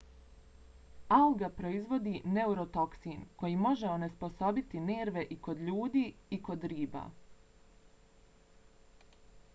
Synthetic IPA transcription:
auɡapɾo̞izʋo̞d̪ine̞uɾo̞t̪o̞ksiːnko̞jimo̞ʒeone̞spo̞so̞bit̪ine̞ːɾʋe̞ʔiko̞d̪ʎuːd̪iːiko̞d̪ɾiːba̰ː

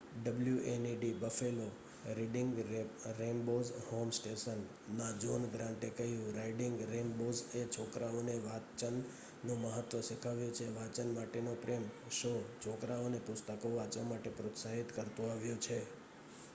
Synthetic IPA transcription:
ɖəbljuʔeniɖibəfelo | ɾiɖɪŋɡɾenbozhomsʈeʃənː | ad͡ʒonɡɾãɳʈekəɦijũɾaiɖɪŋɡɾembod͡ʒet͡ʃʰokɾaoneʋat͡ʃənː | ũməɦət̪ʋəʃikʰaʋjũt͡ʃʰeʋat͡ʃənmaʈenopɾem | ʃot͡ʃʰokɾaonepʊst̪əkoʋat͡ʃəmaʈepɾot̪saɦit̪kəɾt̪ũaʋjũt͡ʃʰe

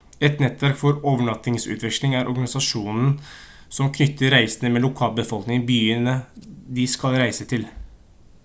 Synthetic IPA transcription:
ɛt̪nɛt̪ːʋæɾkfɔɾoːʋəɳɑt̪ːɪŋsʉ̰ːt̪ʰʋɪkslɪŋæɾʔɔɾɡɑnɪsɑʂuːnn̩ | sɔmkʰnʏt̪ːəɾɾæɪsənəmɛlʊkʰɑːlbəfɔlknɪŋbyːənəd̪ɪskɑlɾæɪsət̪ʰɪl

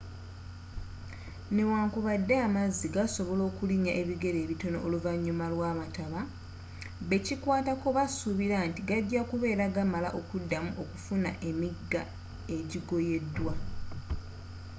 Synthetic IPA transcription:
ne̞waːŋkuβadːe̞amazːiɡaso̞βo̞lo̞ːkuliɲaʔe̞βiɡe̞ɾe̞ːβito̞no̞̰ʔoluvaɲːumalwaːβataβa | βe̞cikwaːtako̞βasuβiɾantiɡaɟɟakuβe̞ːɾaɡamala̰ʔo̞kudːamuʔo̞kufuna̰ʔe̞miɡa̰ | e̞ɟiɡo̞je̞dːwa

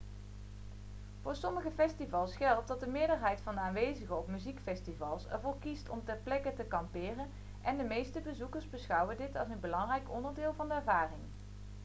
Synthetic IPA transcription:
v̥ʊːɹsɔməɣəfɛstivɑlˠsχɛlˠt̚dɑt̚dəmɪːɹdəɹɦɛjtfɑndəaːnʋejzəɣəɔpmyzikfɛstivɑlˠsɛ̰ɹvoːɹkistɔ̰mtɛɹplɛkətəkɑmpɪːrən | ʔɛndəmejstəbəzukəɹzbəsχʌwədɪtɑlˠsənbəlɑŋrɛjkɔndəɹdɪːlˠvɑndəɛɹvaːrɪŋ

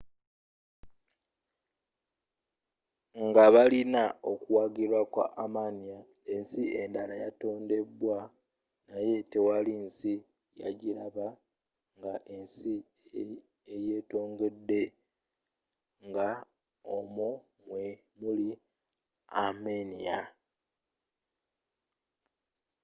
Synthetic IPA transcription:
ŋɡaβalinao̞kuwaɡilwakwa̰ʔːmanija | e̞nsiendalajato̞ːnde̞bwa | naje̞tewalinsi | ja̰ɟiɾaβa | ŋɡaʔe̞nsi | ejeːto̞ːŋɡe̞dːe̞ | ŋɡa | omo | mwe | muli | amenija

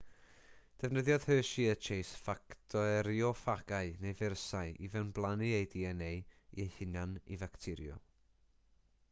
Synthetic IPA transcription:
d̥ɛvnəðjɔð̥høːʃiət͡ʃʰejsfaktʰɔɛɾjɔfaɡ̥aɨnejvɛrsaɨʔivɛnblˠaniejdiɛnejiehɪnanḭvaktʰɪɾjɔ̰

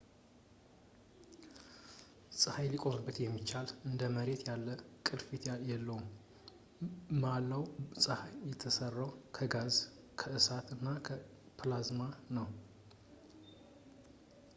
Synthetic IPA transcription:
sʼɨhajlikʼo̞mɨbːət̪jɛmːit͡ʃːalɨnd̪əməɾe̞t̪jalːəkʼɨlfit̪ʰjjɛlːəwum | malːəwsʼɨhajɛt̪ʰːəsərːəwkʰəɡaz | kʰəʔɨsat̪ɨnːakʰə | pʰlazmanəw

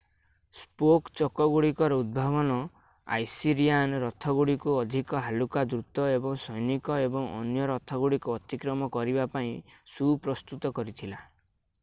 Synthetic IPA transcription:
spokt͡ʃɔkɔɡuɽikɔɾɔud̪̚bʱabɔnɔ | a̰jsiɾianɾɔt̪ʰɔɡuɽikuɔd̪ʱikɔɦalukad̪ɾut̪ɔebɔŋsɔjnikɔebɔŋɔ̰njɔɾɔt̪ʰɔɡuɽikuɔt̪ikɾɔmɔkɔɾibapaĩsupɾɔst̪ut̪ɔkɔɾit̪ʰila

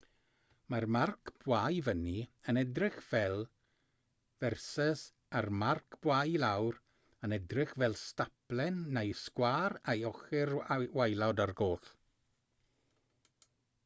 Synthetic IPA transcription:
marmarkʰb̥wajvəniənɛdrɪχv̥ɛlˠ | vɛrsəs | armarkʰb̥wajlawr | ənɛdrɪχvɛlˠstaplˠɛnːejskwaːɾajɔχɪrwajlˠadarɡoːθ

